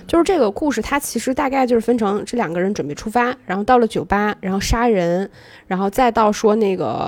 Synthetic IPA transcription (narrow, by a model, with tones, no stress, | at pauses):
t͡ɕjo˥˧ʊʂɻ̩˥˧ʈ͡ʂɤ˥˩ɡə˩ku˥˧ʂɻ̩˥˩t̪ʰa˥t͡ɕʰi˧˥ʂɻ̩˧˥t̪a˥˧ka˥˧ɪt͡ɕjo˥˧ʊʂɻ̩˥˩fə˥nʈ͡ʂʰɤ˧˥ŋʈ͡ʂɤ˥˩ljɑ˨˩ŋɡə˦ɻə˧˥nʈ͡ʂwə˨˩n˩pe˥˩ʈ͡ʂʰu˥fa˥ɻa˧˥nxo˥˧t̪ɑ˥˩ʊlə˩t͡ɕjo˨˩ʊpa˥ɻa˧nxo˥˩ʊʂa˥ɻə˧˥n | ɻa˧˥nxo˥˧ʊt͡sa˥˧ɪt̪ɑ˥˩ʊʂwɔ˥ne˥˩ɪɡə̰˩